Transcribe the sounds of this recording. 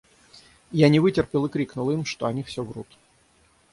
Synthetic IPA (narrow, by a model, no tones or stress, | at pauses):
janʲɪvɨtʲɪrpʲɪlˠɨkɾʲiknʊlˠimʂt̪oɐnʲifsʲovrṵt̪